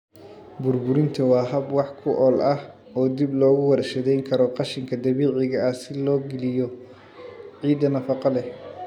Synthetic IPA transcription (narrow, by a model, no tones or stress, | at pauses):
bʊrbʊɾɪnt̪ʰɐwɑːɦɐbwɑħkʰʊʔɔːlʔɐh | ɔːd̪iblɔːɣʊwɑrʃɐðɛjŋkʰɐɾɔqɑʃɪŋkʰɐd̪ɐβiːʕɪɣɐɐsɪlɔːɡɪlɪjɔ | ʕiːd̪ɐnɐfɑqɑlɛ